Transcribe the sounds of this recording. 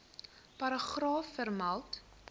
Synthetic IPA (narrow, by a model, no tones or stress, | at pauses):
pɐɾəχrɑːfːərmɐlˠt